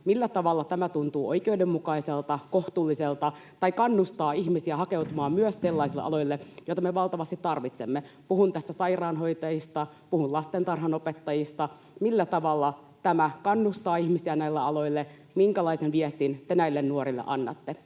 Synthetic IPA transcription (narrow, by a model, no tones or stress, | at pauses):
milːæt̪ɑʋɑlːɑt̪æmæt̪unt̪uːʔoikeudemmukɑiselt̪ɑkoht̪uːlːiselt̪ɑt̪ɑikɑnːust̪ɑːiçmisiæhɑkewt̪umɑːmmyøsselːɑisilːḛɑ̰loilːejoit̪ɑmeʋɑlt̪ɑʋɑst̪it̪tɑrʋit̪semːepuhunt̪æsːæsɑirɑːnɦoit̪ɑjist̪ɑ | puhunlɑst̪ent̪ɑrɦɑnopet̪ːɑjist̪ɑ | milːæt̪ɑʋɑlːɑ | t̪æmækɑnːust̪ɑːihmisiænæilːeɑlo̞ilːe | miŋkælɑisenʋiest̪int̪enæilːennuoɾilːḛʔɑnːɑ̰t̪ːe